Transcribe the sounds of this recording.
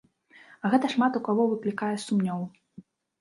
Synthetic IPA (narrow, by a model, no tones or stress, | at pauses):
ɐɣɛt̪ɐʂmat̪ukavɔvɨklʲikajɛsumnʲɔw